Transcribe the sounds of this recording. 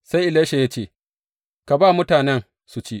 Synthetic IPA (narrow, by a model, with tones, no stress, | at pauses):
sa˦jʔɪ˨leː˦ʃe˨ja˦t͡ʃeː˦˨ | ka˨baː˦˨mʊ˦taː˨nɛ˦n | su˨t͡ʃi˦ʔ